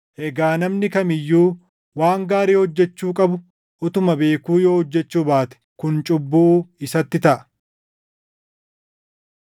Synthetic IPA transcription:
ʔɛɡaːnɐmnɪkɐmɪjːuː | waːŋɡaːɾiːhɔd͡ʒːɛt͡ʃːuːkʼɐbʊ | ʔʊt̪ʊmɐbe̞ːkuːjo̞ːhɔd͡ʒːɛt͡ʃːuːbaːt̪ɛ̥kʊnt͡ʃʼʊbːuːɪsɐt̪ːɪt̪ɐʔɐ

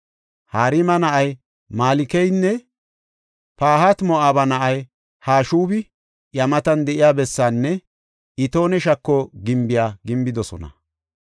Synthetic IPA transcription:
haːɾɪmɐnɐʔɐj | maːlɪkɛjnːɛ | paːɦɐt̪mɔʔaːbɐnɐʔɐj | haːʃuːbɪ | jɐmɐt̪ɐnd̪ɛʔɪjaːbɛsːanːɛ | ɪt̪o̞ːnɛʃ̬ɐkːoɡɪmbɪjaːɡɪmbɪd̪ɔsɔ̰nɐ̰

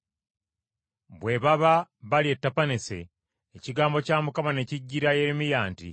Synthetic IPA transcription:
βwe̞βaβaβalie̞tːapanese̞̰ː | ciɡaːmbo̞caːmukamane̞ciɟːiɾajeɾimijaːntḭ

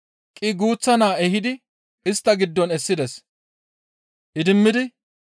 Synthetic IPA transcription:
kʼɪɡuːt͡sːɐnaːɛɦɪd̪ɪ | ɪst̪ːɐɡɪd̪ːɔnɛsːɪd̪ɛs | ʔɪd̪ɪmːɪd̪ɪ

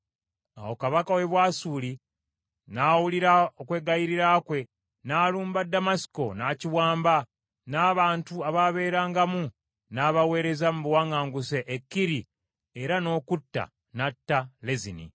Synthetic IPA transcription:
a̰wo̞kaβakawe̞βwaːsuːli | naːwuliɾao̞kwe̞ːɡajiɾiɾaːkwe̞ | naːluːmbadːamasi̥ko̞naːciwaːmba | naːβaːntuaβaβe̞ːɾaːŋɡamu | naːβawe̞ːɾe̞zamuβwaŋaːŋɡuseʔekːiɾi | eɾano̞ːkutːa̰ | natːalezinḭ

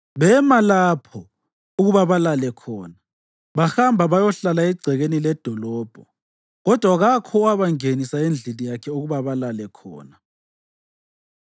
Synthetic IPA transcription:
βɛmalapʰɔ | uɣuβaβalalɛkʰɔːna | βaxambʱaβajɔɬalaɛɡ͡ǀʱɛɣenilɛd̥ʱɔlɔːb̥ʱɔ | ɣɔd̥ʱwaɣakʰɔwaβaŋenisaend͡ɮʱilijakʰɛuɣuβaβalalɛkʰɔ̰ːna

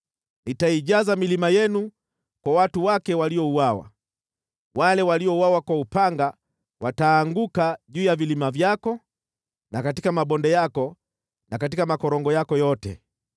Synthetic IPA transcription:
nitaiʄazamilimajɛnu | kwawatuwakɛwaliɔuwawa̰ | walɛwaliɔuwawakwaupaŋɡa | wataːŋɡukaʄuːjavilimavjakɔ | nakatikamaɓɔndɛjakɔ | nakatikamakɔɾɔŋɡɔjakɔjɔtɛ̰

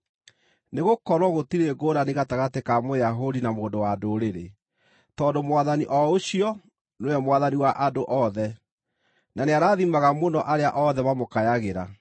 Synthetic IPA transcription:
neɣokɔɾwɔɣotiɾeɡoːɾaneɣataɣatekamojaɦodinamoːndowadoɾeɾe | tɔːndomwaðaniʔɔoɕiɔ | noɛmwaðaniwaʔadoʔɔðɛ | naneaɾaːðimaɣamonɔʔaɾeaʔɔðɛmamokajaɣeɾa

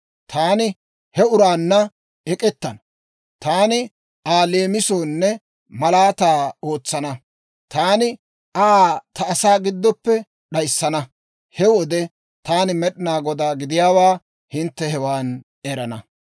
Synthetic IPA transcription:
t̪ʰaːnɪ | hɛʊɾaːnːɐ | ɛkʼɛt̪ːɐnɐ | t̪aːnɪ | aːleːmɪso̞ːnːɛ | mɐlaːt̪aːo̞ːt͡sːɐnɐ | t̪aːnɪ | ʔat̪ɐːsaːɡɪd̪ːɔpːɛ | ɗɐjsːɐnɐ | hɛwɔd̪ɛ | t̪aːnɪmɛɗɪnaːɡɔd̪aːɡɪd̪ɪjaːwaː | hɪnt̪ːɛhɛwaːn | ɛɾɐnɐ

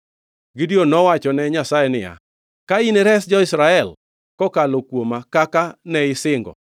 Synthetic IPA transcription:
ɡidionɔwat͡ʃɔnɛɲasaɛnɪja̰ | kaineɾɛsd͡ʒɔɪsɾaɛl | kɔkalokwomakakanɛɪsɪŋɡɔ̰

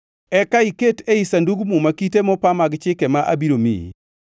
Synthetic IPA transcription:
ɛkaiketeisanduɡmumakitemɔpamaɡt͡ʃɪkemaʔa̰biɾomḭ

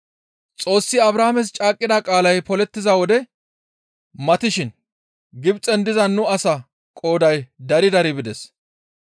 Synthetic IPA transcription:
t͡sʼo̞ːsːɪɐbɾaːmɛs̬t͡ʃʼaːkʼːɪd̪akʼaːlɐjpɔlɛt̪ːɪzawɔd̪ɛ | mɐt̪ɪʃɪn | ɡɪbt͡sʼɛnd̪ɪzɐnːʊɐsɐ | kʼo̞ːd̪ɐjd̪ɐɾɪd̪ɐɾɪbɪd̪ɛs

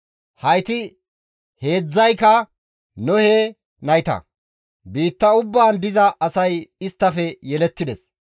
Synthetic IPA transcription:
hɐjt̪ɪ | he̞ːd͡zːɐjkɐ | nɔheː | nɐjt̪ɐ̰ | biːt̪ːɐʊbːaːnd̪ɪzɐʔɐsɐjɪst̪ːɐfɛjɛlɛt̪ːɪd̪ɛs

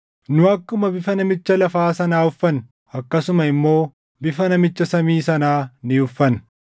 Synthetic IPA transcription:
nʊɐkːʊmɐbɪfɐnɐmɪt͡ʃːɐlɐfaːsɐnaːʊfːɐn | ɐkːɐsʊmɐɪmːo̞ː | bɪfɐnɐmɪt͡ʃːɐsɐmiːsɐnaːnɪʊfːɐn

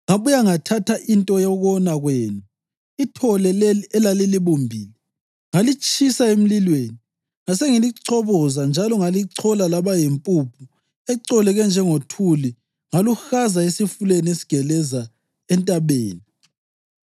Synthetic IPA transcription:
ŋaβujaŋatʰatʰaʔintʼɔjɔɣɔnaɣweːnu | itʰɔlɛlelɛlaliliβumbʱiːlɛ | ŋalit͡ʃʼʰisaem̩lilweːni | ŋaseŋiliǀʰɔβɔzand͡ʒʱalɔŋaliǀʰɔlalaβajempʼupʰu | ɛǀɔlɛɣɛnd͡ʒʱɛŋotʰuli | ŋaluxazaesifulenesi̥ɡ̥ʱɛlɛza | ɛntʼaβeːni

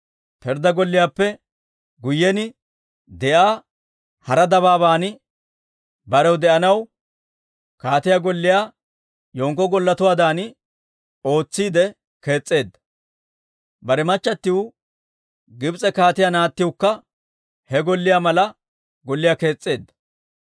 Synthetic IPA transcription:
pɛɾd̪ɐɡɔlːɪjaːpːɛ | ɡʊjːɛnɪ | d̪ɛʔaː | hɐɾɐd̪ɐβaːbaːnɪ | bɐɾɛwd̪ɛʔɐnɐw | kaːt̪ɪjaːɡɔlːɪjaː | joːŋkːɔɡɔlːɐt̪ʊwaːd̪aːnɪ | o̞ːt͡sːiːd̪ɛ | ke̞ːt͡sʼːe̞ːd̪ːɐ̥ | bɐɾɛmɐt͡ʃːɐt̪ːɪwʊ | ɡɪbt͡sʼɛkaːt̪ɪjaːnaːt̪ːɪwʊkːɐ | hɛɡɔlːɪjaːmɐlɐ | ɡɔlːɪjaːke̞ːt͡sʼːe̞ːd̪ːɐ̥

